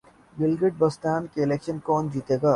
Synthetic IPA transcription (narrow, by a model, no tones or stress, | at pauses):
ɡɪlɡɾɪʈ̚bɐst̪aːnkeɪleːkʃənkɔːnd͡ʒiːt̪eːɡaː